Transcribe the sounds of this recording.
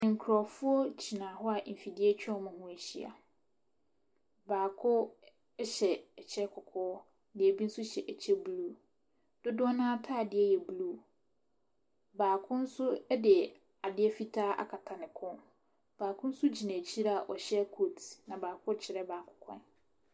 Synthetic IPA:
ɪ̃˨ŋ̩˨kʰɾɔ˨fʊ˦ɔ˦d͡ʑi˨nãː˨ɦɔ˦a˨m̩˨fi˨dɪ˦ɛ˦t͡ɕᶣɛ̃˦mã˨hʊ̃˦æ˨ɕḭ˦a̰˨ | baː˨kʰʊ˦ | ɕɛ˨ɛ˨t͡ɕʰɛ˦kʰʊ˨kʰɔː˦ | dɪ˨ɛ˨bi˦n̩˦sʊ˦ɕɛ˨ʔɛ˨t͡ɕʰɛ˦bluː˦ | d̥ʊ˦dʊ˦ɔ˦nãː˦tʰaː˦˨dɪ˦ɛ˦jɛ˨bluː˦ | baː˨kʰʊ̃˦n̩˦sʊ˦ɛ˦dɪ˨ | a˨dɪ˦ɛ˦fi˦tʰaː˦ʔa̰˨kʰa˨tʰa˨nɪ̃˨kʰʊ̃˦n | b̥aː˨kʰʊ̃˦n̩˦sʊ˦d͡ʑi˨nã˨t͡ɕʰi˦ɾa˦a˨ʔɔ˨ɕɛ˦kʰo˦tnã˨baː˨kʰʊ˦t͡ɕʰɪ˨ɾɛ˦baː˨kʰʊ̥˨kʰɔ̰̃˦n

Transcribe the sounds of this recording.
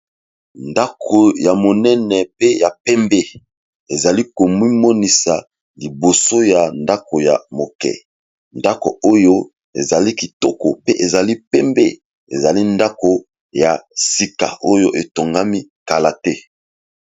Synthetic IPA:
nda˦kʰo˨ja˨mo˨nɛ˦nɛ˨pe˦ja˨pɛ˦mbe˦ | e˨za˨li˦ko˨mwi˦mɔ˦ni˨sa˨ | li˨bo˨so˦ja˨nda˦ko˨ja˨mo˨kɛ̰˨ | nda˦ko̰˨o˦jo˦ | ḛ˨za˨li˦ki˨tɔ˦ko̰˨pe˦ʔe˨za˨li˦pɛ˦mbe˦ | ḛ˨za˨li˦nda˦ko˨ | ja˨si˨ka̰˨ʔo˦jo˦ʔe˨to˨ŋɡa˦mi˦ka˨la˨tɛ˦

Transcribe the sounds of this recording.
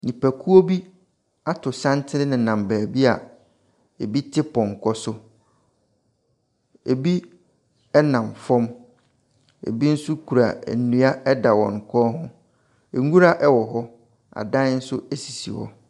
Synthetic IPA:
nĩ˨pæ˨kʰu˦o˦bi˦ | a˦tʰʊ˨sã˦ntʰɪ˦ɾɪ˦nɪ̃˨nã˨mbæː˨bi˦a˨ | e˨bi˦tʰɪ˦pɔ̃˨ŋ̩˨kʰɔ˦sʊ˦ | e˨bi˦ | ɛ˦nã˨mfɔ̃˦m | ḛ˨bi˦n̩˦su˦kʰu˨ɾa̰˨ɛ̰˨nũ˦a˦ɛ˦da˨wɔ̰̃˨ŋ˨kʰɔː˦ɦʊ̃˦ | e˨ŋu˦ɾa˦ʔɛ˦wɔ˨ɦɔ˦ | a̰˨dã˦n̩˦sʊ˦e˦si˨sḭ˨wɔ̰˨

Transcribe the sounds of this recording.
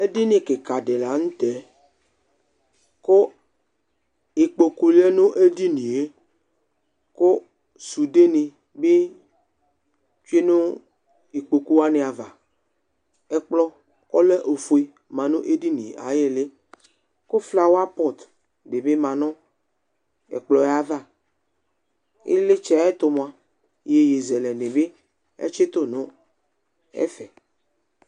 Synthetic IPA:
e˦di˦nɪ̃˨kɪ˨ka˨dɪ˨la˨ŋ̩˦t̪ɛ˨˦ | ko˦ | i˨k͡po˨ku˨li˦e˦nʊ̃˦ʔe˦di˦nĩ˨e˦ | ko˦ | su˨de˦nĩ˨ | bɪ˦ | t͡ʃi˦nʊ̃˦ | i˨k͡po˨ku˦wa˦nɪ̃˨a˨va˨ | ɛ˦k͡plɔ˦ | kɔ˦le˦ʔo˨fo˨i˦ | mã˨nũ˦ʔe˦di˦nḭ̃˨a̰˨je˦le˦ | ko˦fla˦wo˦a˦pɔ˦˨t̪ | de˨be˦mã˨nɔ̃˦ | ḛ˨k͡plɔ˨˦a˦va˦˨ | ḛ˦le˦t͡ʃɛ˦˨˦ɛ˦t̪o˨mõ˨ã˨ | je˨je˨zɛ˨lɛ˨nẽ˨be˦ | ḛ˦t͡ʃe˦t̪o˦nõ˦ | ɛ̰˦fɛ˨

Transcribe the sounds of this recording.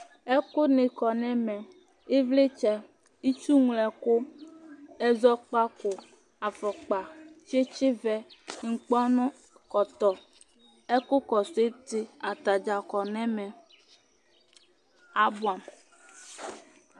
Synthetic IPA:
ɛ˦ko˦nẽ˨kɔ˨nɛ̃˦mɛ̃˨ | e˦vle˦t͡ʃɛ˨ | i˦t͡ʃu˦ŋ˨lɛ˨ko˦ | ɛ˦zɔ˦k͡pa˦ko˨ | a˨fɛ˨k͡pa˨t͡ʃe˦t͡ʃe˦vɛ˦ŋ̩˨k͡pɔ˦nɔ̃˦ | kɔ˨t̪ɔ˨ | ɛ˦ko˦kɔ˨se˦t̪e˦a˨t̪a˨d͡ʒa˨kɔ˨nɛ̃˦mɛ̃˨ | a˦bu˨a˨m

